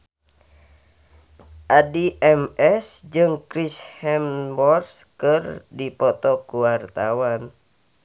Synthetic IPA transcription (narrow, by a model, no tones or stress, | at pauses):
ʔadiʔɛmɛsd͡ʒɨŋkɾishɛmbɔrskɨrdipɔt̪ɔkuwart̪awan